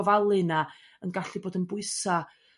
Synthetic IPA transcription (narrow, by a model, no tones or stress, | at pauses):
ɔvalˠɨna | ənɡaɬiboːdənbʊɨsa